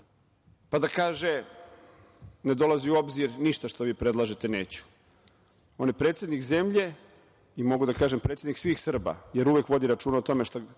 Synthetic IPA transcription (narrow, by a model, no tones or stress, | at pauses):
pad̪akaːʒe | ne̞d̪o̞lˠaziuo̞bziɾniʃt̪aʃt̪o̞ʋiːpɾed̪lˠaʒet̪e̞nḛːt͡ɕu̥ | o̞nepɾet̪sʲe̞d̪nikze̞mʎe̞ | imo̞ɡud̪akaːʒempɾet̪sed̪niksʋiːxsr̩ba̰je̞ɾuʋekʋo̞d̪iɾat͡ʃuːnaot̪o̞me̞ʃt̪o